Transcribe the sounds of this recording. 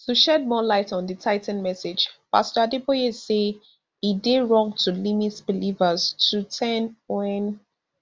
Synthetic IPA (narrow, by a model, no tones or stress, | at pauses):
tuʃɛd̚mɔlaɪtɔ̃nditʰaɪtɛ̃n̩mɛsɪ̥d͡ʒpa̰stədepoese | ideɹɔ̃ŋtʰulimitb̥ilivəz̥tʰutʰɛnwɛn